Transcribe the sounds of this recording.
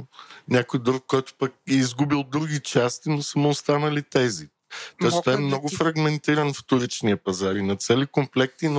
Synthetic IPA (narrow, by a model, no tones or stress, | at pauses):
nʲakojd̪ɾukːɔjt̪ʊ̥pɐk̚ɛizɡubilˠd̪ɾuɡit͡ʃast̪inosəmoːst̪anɐlit̪ɛzi | t̪ɔɛst̪ɔɛmnɔɡʊfɾɐɡmɛnt̪iɾɐnft̪ʊɾit͡ʃniɐpɐzaɾinɐt̪sɛlikomplɛk̚t̪ino